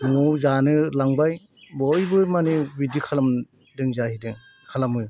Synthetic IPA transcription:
ŋɔzanɯlaŋbaj | bɔjbɯmanɯbidikʰalam | dɯŋzahidɯŋ | kʰalamɯ

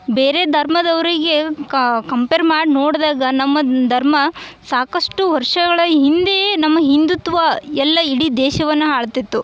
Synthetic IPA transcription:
beːɾe̞d̪ʱɐɾmɐd̪ɐʋɐɾiɡe̞kɐmpeːɾmaːɽinoːɽd̪aːɡɐnɐmːɐd̪ʱɐɾmɐsaːkɐʂʈuʋɐɾʂɐɡɐɭɐɦind̪ejnɐmːɐɦind̪ut̪ʋɐɛlːɐiɽid̪ɛːʃɐʋɐnːuɦaːɭt̪it̪ːu

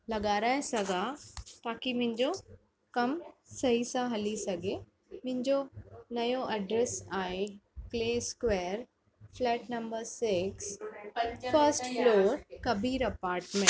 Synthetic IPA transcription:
lɐɠaːɾaːẽsɐɡʱat̪aːkimʊ̃ɦɪ̃ɲd͡ʑo | kɐmsɐɦisãɦɐlisɐɡʱe | mʊ̃ɦɪ̃ɲd͡ʑonɐjoʔɐɖɾeːsaːɦekleːskʋɛːɾ | flɛːʈnɐmbəɾsɪks | fəɾsʈfloːɾkɐbʱiːɾɐpaːɾʈmẽ

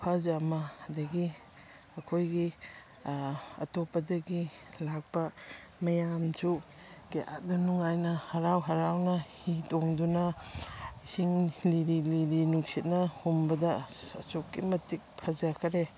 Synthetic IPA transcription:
pʰazamaːdɐɡi | ɐkʰojɡi | ɐ̰tɔpɐdɐɡilak̚bɐ | mɐjamt͡ʃu | keʔa̰t̚dunuŋajnɐhɐɾawɦɐɾawnahitɔŋduna | isiŋliɾiliɾinuk̚sit̚nɐhumbɐdɐɐsok̚ːimɐtik̚pʰazakʰɐɾe

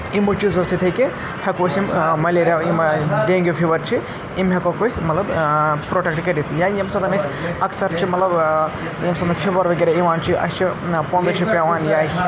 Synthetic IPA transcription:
imut͡ʃizɐsit̪ʰɐjki | hɐkoːsimmɐleɾaimɖeːŋɡʲopʰiʋɐɾt͡ʃʰi | imɦɐkokosʲmɐt̪lɐbpɾoːʈek̚ʈkɐɾit̪ijaːjɐmsɐd̪ʰɐnɐsɐksɐɾt͡ʃʰimɐt̪lɐb | jɐmsɐnt̪ɐpʰiʋɐɾʋɐɡʲeɾaiʋaːnt͡ʃʰiʔɐ̰st͡ʃʰipõnd̪ɐt͡ʃʰipʲaʋaːnjaː

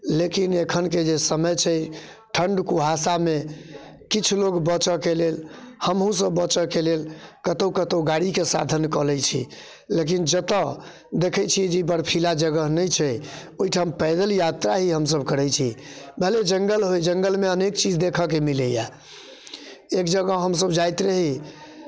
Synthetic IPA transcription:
lekinekʰənked͡ʒesəməjt͡ʃʰɛ | ʈʰəɳɖkuɦasamekit͡ʃʰloɡbət͡ʃəkelelhəmɦũs̬əbːət͡ʃəkelelkət̪əwkət̪əwɡaɽikesa̰d̪ʱənkɔlɛjt͡ʃʰḭ | lek̬ind͡ʒət̪ə | d̪ekʰəjt͡ʃʰijɛd͡ʒeibəɽpʰilad͡ʒəɡəɦnəjt͡ʃʰɛ | oiʈʰampɛɪd̪əljat̪ɾaɦiɦəms̬əbkəɾɛjt͡ʃʰibəɦled͡ʒəŋɡəlɦojd͡ʒəŋɡəlmeənekt͡ʃid͡ʒd̪ekʰəkemileja | ekd͡ʒəɡəɦɦəms̬əbd͡ʒajt̪ɾəɦi

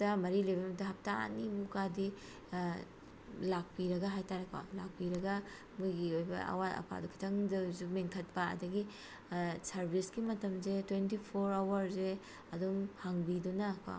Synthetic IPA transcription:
tɐmɐɾilɐjbɐmɐtɐɦɐp̚ta̰nibukadi | lak̚piɾɐɡɐɦajtaɾeka̰lak̚piɾɐɡɐ | mujɡiojbɐ̰ɐ̰waɐ̰pʰa̰dukʰi̥tʰɐŋdɐzumiŋkʰɐt̚pɐɐ̰dɐɡi | sɐɾbʱisɡimɐtɐmzetwentipʰoɾawɐɾze | ɐdumhaŋbidunɐka̰

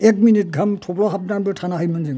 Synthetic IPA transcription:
ɛk̚minit̚ɡʱamtʰoplɔɦap̚nanbɔtʰanaɦajmanziŋ

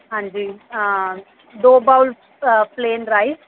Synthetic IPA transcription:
ɦãːnd͡ʒiː | ɖoːbawl | pleːnɾaːjs

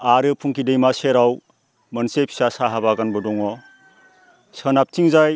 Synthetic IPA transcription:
aɾɯpʰuŋkidejmaseɾaw | mɐnsepʰi̥sasaɦabaɡanbɯdɔŋɔ | sənap̚tʰiŋzaj

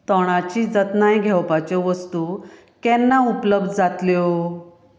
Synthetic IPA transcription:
t̪ɔɽ̃at͡ɕiːd͡zət̪najɡʱɛwpat͡ɕɔʋəst̪u | kɛnːaupləbd̪ʱd͡zat̪ljɔ

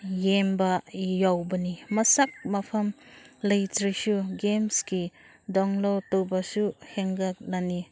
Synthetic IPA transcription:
jembajawbɐnimɐsak̚mapʰɐmlɐjtɾisuɡemski | dɔŋlowtowbasuheŋɡak̚lani

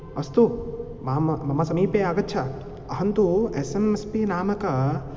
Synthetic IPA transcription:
ɐst̪u | maːmmɐmasɐmiːpeaːɡɐt̪̚ːt͡ʃʰa | ɐɦɐnt̪uesemespinaːmɐka

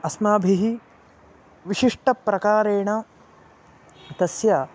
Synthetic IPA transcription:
ɐsmaːbʱiɦi | ʋiʃiʂʈɐpɾɐkaːɾeːɳɐ | t̪ɐsja

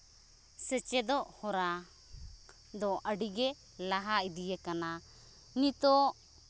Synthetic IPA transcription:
sɛt͡ʃɛd̪ɔʔhɔɾa | d̪ɔʔəɖiɡɛ | laɦaid̪ijɛkana | nit̪ɔ

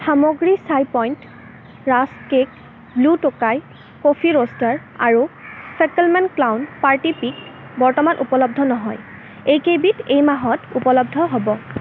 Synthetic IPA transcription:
xamɔɡɹisajpɔjnt | ɹaskek | blutʊkaj | kopʰiɹostaɹa̰ɹusɛtlmɛnklawnpaɹtipik̚bɔɹtɔmanʔupɔlɔb̚dʱɔnɔɦɔj | ejkebitejmaɦɔtupɔlɔbdʱɔɦobɔ

